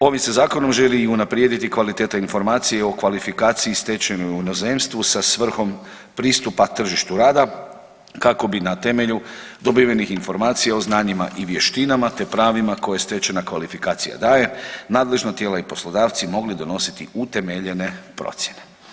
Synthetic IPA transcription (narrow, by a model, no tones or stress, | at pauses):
o̞ʋimsezaːko̞no̞mʒe̞liːunapɾjed̪it̪ikʋalit̪et̪ainfo̞ɾmaːt̪sije̞o̞kʋalifikaːt̪sijist̪e̞t͡ʃenojunoze̞ːmst̪ʋusasʋr̩xo̞m | pɾiːst̪upat̪r̩ʒiʃt̪uɾaːd̪a | kako̞binat̪e̞me̞ʎud̪o̞biʋjenixinfo̞ɾmaːt̪sijao̞znaːɲima̰ʔiʋje̞ʃt̪inamat̪e̞pɾaːʋimako̞jest̪e̞t͡ʃenakʋalifikaːt̪sija̰d̪aːje̞naːd̪le̞ʒnot̪je̞ːlaipo̞slˠo̞d̪aːʋt̪simo̞ɡlid̪o̞no̞si̥t̪iut̪e̞me̞ʎe̞ne̞pɾo̞̰t̪sjene̞